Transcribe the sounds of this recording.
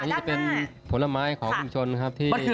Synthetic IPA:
a˧niː˦˥t͡ɕa˨˩pe˧npʰo˩˦la˧maː˦˥jkʰɔː˩˦ŋkʰu˧mt͡ɕʰo˧nkʰa˦˥p̚t̪ʰiː˥˩

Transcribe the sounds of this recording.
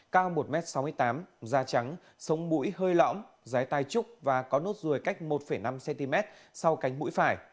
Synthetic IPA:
kaː˧wmo˨˩t̚mɛ˦˥t̚sa˨˦wmɨ˧əjt̪aː˨˦mzaː˧t͡ɕa˨˦ŋ | sə˨˦wŋ͡mmṵ˧˥jhəː˧jlɔ̰˧˥m | zaː˨˦jt̪aː˧jt͡ɕʊ˦˥k͡p̚vaː˨˩kɔ˨˦nu˦˥t̚zu˨˩əjka˦˥jk̟̚mo˨˩t̚fə˧˩jna˧msɛ˧nt̪i˧mɛ˦˥t̚sa˧wka˨˦jŋ̟mṵ˧˥jfaː˧˩j

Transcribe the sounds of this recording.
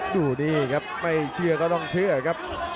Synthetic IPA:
duː˨˩niː˧˩kʰa˦˥p̚ma˥˩jt͡ɕʰɯ˧ɐkɔː˥˩t̪ɔ˧˥˩ŋt͡ɕʰɯ˥˩kʰa˦˥p̚

